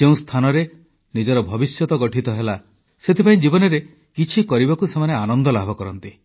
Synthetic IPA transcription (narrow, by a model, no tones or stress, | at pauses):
eũst̪ʰanɔɾe | nid͡ʒɔɾɔbʱɔbisjɔt̪ɔɡɔʈʰit̪ɔɦela | set̪ʰipaĩd͡ʒibɔnɔɾe | kit͡ʃʰikɔɾibakusemaneanɔnd̪ɔlabʱɔkɔɾɔnt̪i